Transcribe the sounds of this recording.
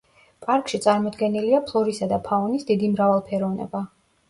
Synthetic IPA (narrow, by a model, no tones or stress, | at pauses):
pʼaɾkʼʃit̪sʼaɾmɔd̪ɡɛniliapʰlˠɔɾisad̪apʰaɔnisd̪id̪imɾavalˠpʰɛɾɔvnɛ̰ba